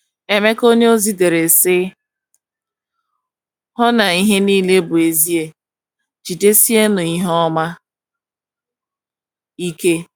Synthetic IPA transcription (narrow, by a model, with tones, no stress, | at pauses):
e˨me˦ko˦ɲe˦o˦zi˦de˨ɾe˨sɪ˦ | ɦɔ˦na˨i˦ɦe˦niː˦le˦bʊ˨e˨zi˦e˦ | d͡ʒi˨de˦si˦e˦nʊ˨i˦ɦɔ˦ma˦ | i˦ke˦